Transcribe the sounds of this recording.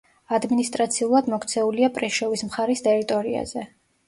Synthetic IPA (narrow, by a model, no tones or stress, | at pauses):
ad̪minist̪ʼɾat̪sʰiulˠad̪mɔkʰt̪sʰɛuliapʼɾɛʃɔvismχaɾist̪ʼɛɾit̪ʼɔɾia̰z̥ɛ